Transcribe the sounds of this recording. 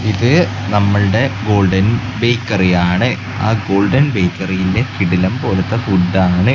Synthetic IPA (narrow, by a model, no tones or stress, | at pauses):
iðɨ | nɐmːɐɭɨɽe̞ɡo̞ːɭɖɐn | be̞jkːɐrijaːɳɨ | a̰ːɡo̞ːɭɖɐnbe̞jkːɐrijilde̞kiɽilɐmpo̞ːlɐt̪ːɐfuɖːaːɳɨ